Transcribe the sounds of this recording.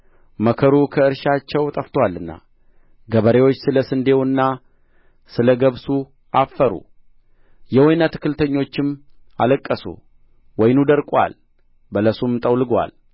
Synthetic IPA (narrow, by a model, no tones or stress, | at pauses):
məkʰəɾukʰəɨɾʃat͡ʃːɛwt̪ʼəft̪ʰwalːɨnːa̰ | ɡəβəɾewo̞t͡ʃːsɨləsɨnd̪e̞wɨnːa | sɨləɡəβsu | ʔafːəɾṵ | jɛwɔjnat̪ʰɨ̥kːɨlt̪ʰəɲːo̞t͡ʃːɪm | a̰ləkʼːəsṵ | wɔjnud̪əɾkʼwa̰l | bələsumt̪ʼəwlɨɡwa̰l